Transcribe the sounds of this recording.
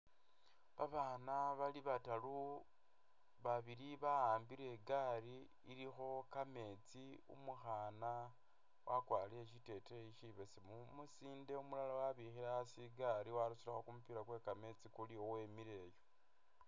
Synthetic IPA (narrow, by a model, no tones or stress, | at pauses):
βaβaːnaβaliβatalu | βaβiɾiβaaːmbiɾe̞ɡaɾiː | ɾixo̞kame̞t͡siṵmuxaːna | wʔakwaːlieʃite̞teeiʃiβe̞semumusiːnde̞umulalawaβixiɾasiɡaɾiwaɾusilaxo̞kumupiɾakwe̞kame̞t͡sikuliowe̞miɾe̞ːjo